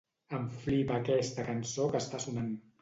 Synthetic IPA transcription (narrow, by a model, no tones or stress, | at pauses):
əɱflipəːkɛst̪əkənsokəst̪asunan